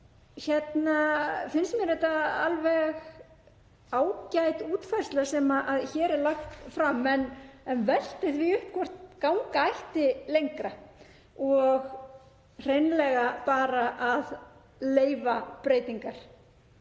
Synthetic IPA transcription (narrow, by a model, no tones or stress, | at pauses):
çɛt̪nafɪnsmɛɾɛht̪aa̰lvɛɣ | aːwcajt̪uːt̪fajrst̪lasɛmaʔaðçɛːɾɛɾlaxt̪fɾamːɛnɛnvɛl̥t̪ɪθviʏhp̚kʰɔr̥t̪kaːwŋkaajht̪ɪlejŋkɾa | ɔɣ | r̥ejnlɛɣapaːɾaʔað | leːjvapɾeːjt̪iŋkaɾ̥